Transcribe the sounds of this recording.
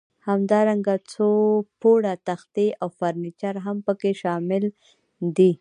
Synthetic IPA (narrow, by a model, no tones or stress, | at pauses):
hamd̪ɑɾaŋɡat͡sopoɽat̪axt̪eʔawfaɾnit͡ʃaɾɦampəkeʃɑmɪl | d̪i